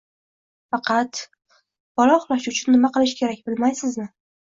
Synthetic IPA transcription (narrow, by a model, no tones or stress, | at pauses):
fɑqʰɑt̪ | b̥ɒlˠɒχʊlˠɒʃʊt͡ʃʰʊnːɪmaqɨlˠɪʃkʲʰe̞ɾakʲbɪlmajsɪznɪ